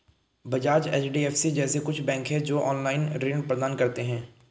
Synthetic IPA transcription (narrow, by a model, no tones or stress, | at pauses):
bɐd͡ʒaːd͡ʒɛːt͡ʃɖiːɛːfʰsid͡ʒɛːsekʊt͡ʃʰbɛ̃ːŋkɦɛd͡ʒoːʔɔːnlaːɪnɾeːɳpɾəd̪aːnkɐɾt̪eɦɛ̃ː